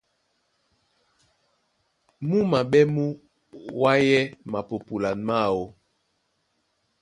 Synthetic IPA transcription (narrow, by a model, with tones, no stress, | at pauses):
mu˦ma˨ɓɛ˦mu˦ | wa˦jɛ˦ma˨po˨pu˨la˨nma˦˨wo˦